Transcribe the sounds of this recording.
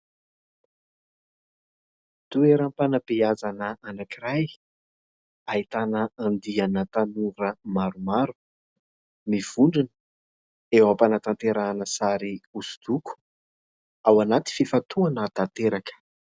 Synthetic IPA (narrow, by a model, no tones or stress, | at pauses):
t̪ueɾəmpanapiazanəʔanakiraj | aɦit̪anəand̪ianət̪anuɾəmaɾumaɾu̥ | miv̥uɳɖ͡ʐinə̥ | ewapanat̪ant̪eɾanəsaɾiusu̥d̪̥uku̥ | awanat̪i̥fifat̪uanət̪at̪eɾakə̥